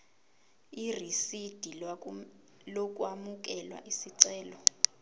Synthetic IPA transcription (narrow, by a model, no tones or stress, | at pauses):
irisid̥ʱi | lok̬ʼwamuk̬ɛlwa̰ʔisiǀɛːlɔ